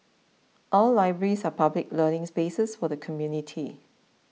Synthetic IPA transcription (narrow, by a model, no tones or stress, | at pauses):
ʔɔlːaɪbɹəɹisapablɪk̚lənɪ̃ŋspesəsfɔdəkʰɔmjunitʰi